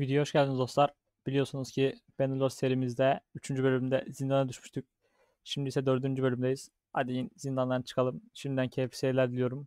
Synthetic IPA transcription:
vid̪ijoɦoʃɟælʲd̪ʲinizd̪o̞slˠaɾ̥ | b̥ilʲijo̞ɾsunuzcʰibenulˠoɾse̞ɾimizd̪ɛyt͡ʃʰynd͡ʒybø̞lʲymd̪ɛzind̪anad̪yʃmyʃt̪ʰyc̚ | ʃimd̪isɛd̪ø̞ɾd̪ynd͡ʒybø̞lʲymd̪ejiz̥ | a̰d̪ejinzind̪and̪ˠant͡ʃʰɯ̥kʰalˠɯmʃimd̪id̪æncʰejfi̥seɾilʲæɾd̪ilʲijo̞ɾum

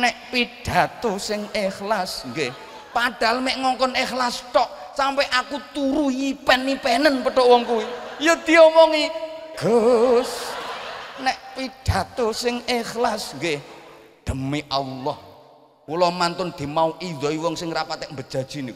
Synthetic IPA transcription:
nɛʔpid̥a̤t̪osɪŋɪxlasŋɡe | paɖ̥a̤lmeʔŋɔŋkɔnɪxlastɔʔ | sampɛʔakut̪uɾujipɛnipɛnənpəɖ̥ɔwɔŋkuwijod̪̥i̤jomɔŋiɡ̥os | nɛʔpiɖ̥a̤t̪osɪŋɪxlasŋɡe | d̪̥ə̤miʔalːɔh | ulɔmant̪ʊnd̪̥i̤mauʔidɔiwɔŋsɪŋrapat̪ɛʔmbəd̥ʒ̥a̤d̥ʒ̥i̤nik

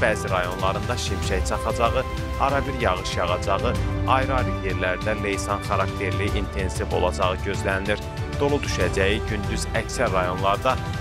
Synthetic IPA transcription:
bæːziɾɑjo̞nlˠɑɾɯnd̪ɑʃimʃæjt͡ʃʰɑχɑd͡ʒɑʁɯ | ɑɾɑbiɾjɑʁɯʃjɑʁɑd͡ʒɑʁɯɑjɾɑɾijeɾlæɾd̪æle̞jsɑnχɑɾɑkt̪ʰe̞ɾliʔint̪ʰe̞nsivo̞̰lˠɑd͡ʒɑʁɯɟø̞zlænd̪iɾ | d̪̥o̞lˠud̪yʃæd͡ʒæjiɟynd̪yzæcsæɾːɑjo̞nlˠɑɾd̪ɑ

